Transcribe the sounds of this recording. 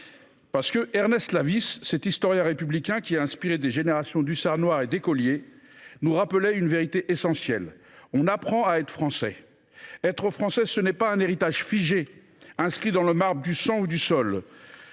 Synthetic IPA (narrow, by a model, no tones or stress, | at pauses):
paʁsə̥kəʔɛʁnɛst̪lavisːɛt̪ist̪ɔʁjɛ̃ʁepyblikʲɛ̃kʲiaɛ̃spiʁed̪eʒeneʁasjɔ̃d̪ysaʁnwaʁed̪ekɔlje | nuʁapəlɛynveʁit̪eʔesɑ̃sjɛl | ɔ̃napχɑ̃aɛt̪χə̥fχɑ̃sɛ̰ | ɛt̪χəfχɑ̃sɛsənɛpaɛ̃neʁit̪aʒfiʒe | ɛ̃skχid̪ɑ̃ləmaʁbʁd̪ysɑ̃ud̪ysɔl